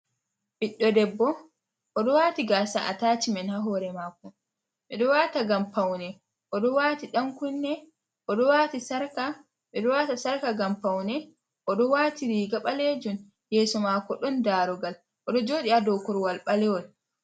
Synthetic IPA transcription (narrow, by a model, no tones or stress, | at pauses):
biɗːɔdɛbːɔ | ʔɔɗɔwaːtiɡasaʔa̰taːt͡ʃimɛnhaɦɔɾɛmakːɔ | mɛɗɔwaːtaɡampawnɛ | ʔɔɗɔwaːtiɗaŋkunːɛ | ʔɔɗɔwaːtisaɾka | mɛɗɔwatasaɾkaɡampawnɛ | ʔɔɗɔwaːtiɾiːɡaɓaled͡ʒun | jɛːsɔmakɔɗɔndaɾɔɡal | ʔɔɗɔd͡ʒoːɗiadɔkɔɾwalɓalɛwɔl